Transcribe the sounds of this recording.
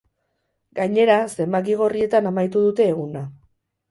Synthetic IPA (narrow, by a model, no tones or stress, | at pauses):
ɡajɲe̞ɾase̞mbak̬iɣ̞o̞rie̞t̪anamajt̪uðut̪e̞ːɣ̞una